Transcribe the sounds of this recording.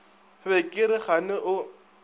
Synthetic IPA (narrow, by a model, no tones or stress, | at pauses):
βɛkʼɪɾɪχanɪʔʊ